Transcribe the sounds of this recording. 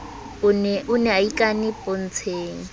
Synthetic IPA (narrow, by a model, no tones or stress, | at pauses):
ʊnʔʊnɛaikʼanɪpʼon̩t͡sʰeːŋ̩